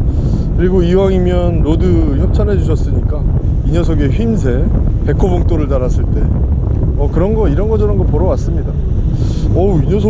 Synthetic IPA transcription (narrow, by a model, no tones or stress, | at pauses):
kɯɾiɡoiwaŋimjʌnːodɯçjʌp̚t͡ɕʰʌnɦe̞d͡ʑuɕʰʌs͈ɯɲik͈a | iɲʌs̬ʰoɡe̞ɸɥinsʰe̞ | pe̞kʰoboŋt͈oɾɯɭtaɾas͈ɯɭt͈e̞ | ʌkɯɾʌnɡʌiɾʌnɡʌd͡ʑʌnʌnɡʌpoɾʌwas͈ɯmɲida | ʌiɲʌs̬ʰo